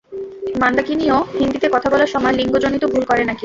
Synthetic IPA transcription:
mand̪akiniohind̪it̪ekɔt̪ʰabɔlaɾʃɔmɔeliŋɡod͡ʑonit̪obʱulkɔɾenaki

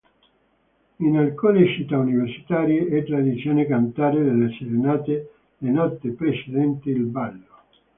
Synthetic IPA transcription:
inalkuːnet͡ʃit̪ːauniversi̥t̪aːɾjeʔɛt̪ːɾad̪it̪sːjoːnekant̪aːɾed̪elːeseɾenaːt̪e | lenɔt̪ːepɾet͡ʃed̪ɛnt̪iilbalːo

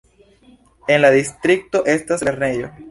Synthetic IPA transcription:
e̞nladistɾik̚to̞ʔe̞stase̞ɾne̞jo̞

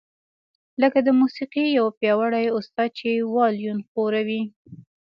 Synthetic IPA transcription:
ləkad̪əmusiqijawpjɑwaɽajʊst̪ɑd̪̚t͡ʃewɑljunxoɾawi

